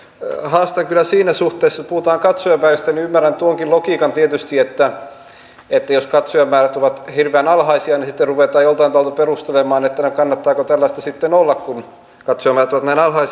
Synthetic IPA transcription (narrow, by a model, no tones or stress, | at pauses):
hɑːst̪ɑŋkylːˑæsiːnæsuht̪ˑeːsːɑpuhut̪ɑːŋkɑt̪sojɑpæiʋæst̪æniymːærænt̪uoŋkilokiːkɑnt̪iet̪yst̪iet̪ːæ | et̪ːæjoskɑt̪sojɑmːæːræt̪oʋɑt̪hirʋeænɑlhɑisiɑnisit̪ːerruʋeˑt̪ɑːjolt̪ɑint̪ɑlt̪uperust̪elemɑːnet̪ːænykɑnːɑt̪ːɑːkot̪ælːæst̪ɑsit̪ːenolːɑkkun | kɑt̪sojɑmæːræt̪oʋɑt̪næinɑlhɑis